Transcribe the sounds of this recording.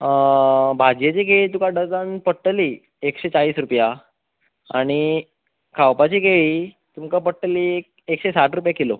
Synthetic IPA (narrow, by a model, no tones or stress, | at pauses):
bʱad͡ʑjet͡ɕiɡeɭiːt̪̬ukaɖəd͡z̪anpəʈːəli | ekɕet͡saɭiːsɾupja | a̰ɽ̃i | kʰawpat͡ɕikeɭiː | t̪umkapəʈːəliː | ekɕesaʈʰɾupjakilo